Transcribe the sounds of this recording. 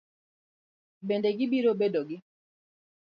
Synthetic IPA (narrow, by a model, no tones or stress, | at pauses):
bendeɡibiɾobedɔɡi